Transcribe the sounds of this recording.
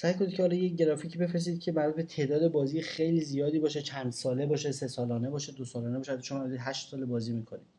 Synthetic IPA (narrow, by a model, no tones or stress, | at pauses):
sæjkʰonid̪cʰeɒlɒːjeɟe̞ɾɒːfiːcʰiːbe̞fɾes̬iːd̪cʰe̞bæɾæd̪bet̪ʰe̞ːd̪ɒːd̪e̞bɒːzijxejlizijɒːd̪iːbɒːʃet͡ʃʰænd̪̥sɒːle̞bɒːʃesesɒːlɒːne̞bɒːʃed̪osɒːlɒːneɒːʃeæt̪ʰːʃomːmd̪id̪ɦæʃt̪sɒːlebɒːziːmiːkʰonid̥